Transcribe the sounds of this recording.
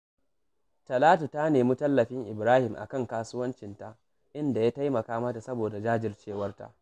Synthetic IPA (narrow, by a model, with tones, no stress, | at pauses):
tɐ˨laː˦tu˨ta˦neː˨mu˦tɐ˦lːɐ˨ɸɪ˦ŋʔɪ˨bɾaː˦hɪ˨mʔa̰˨kɐ˦˨ŋkaː˦sʊ˦wɐ˦nt͡ʃɪ˨nta˦ʔ | ʔɪ˦nda˨jaː˦ta˦jmɐ˨kaː˦ma˦ta˨sɐ˦boː˨da˨d͡ʒaː˦d͡ʒɪ˨rt͡ʃeː˦˨wɐ˦rta̰˦ʔ